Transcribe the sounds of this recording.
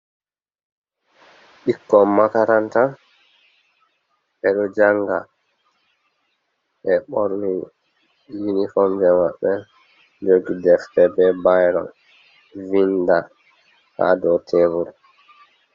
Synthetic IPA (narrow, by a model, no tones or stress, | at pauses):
ɓikːɔmːakaɾanta | ʔɛɗɔd͡ʒaŋɡa̰ | ʔɛɓɔɾwi | jinifɔmd͡ʒɛmaɓːɛ | d͡ʒoɡidɛftɛbɛbajɾɔ̰n | vinda | ha̰dɔtʰevuɾ